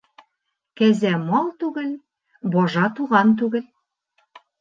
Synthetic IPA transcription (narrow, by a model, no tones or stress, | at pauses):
kæzæmɒlˠt̪ʉɡɘl | bɒʒɑt̪uʁɑnt̪̬ʉɡɘl